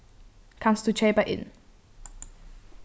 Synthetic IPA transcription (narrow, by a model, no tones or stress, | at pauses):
kʰãmstut͡ʃʰeɪpəʔɪ̰̃n